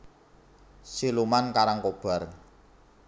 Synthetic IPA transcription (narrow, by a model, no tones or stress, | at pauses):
silumankaɾaŋkob̥a̤r